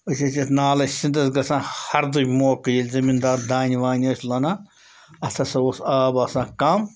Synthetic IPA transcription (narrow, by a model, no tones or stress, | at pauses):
əsʲɐsʲɐt̪naːlɐsind̪ɐsɡɐsãːhɐɾd̪ɨkʲmoːkɨjilʲzɐmind̪aːɾd̪aːnʲiʋaːnʲɐsʲlɐnaː | ɐst̪ʰɐsɐosaːbɐsãːkɐm